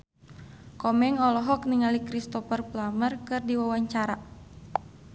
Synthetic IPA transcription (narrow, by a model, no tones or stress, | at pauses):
kɔmɛŋɔlɔɦɔkniŋalikɾist̪ɔfərplamərkɨrdiwawaɲt͡ʃaɾa